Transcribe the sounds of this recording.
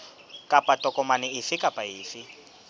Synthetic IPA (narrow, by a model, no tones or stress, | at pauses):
kʼapʼatʼɔkʼɔmanɪisɪkʼapʼaɦiːfɪ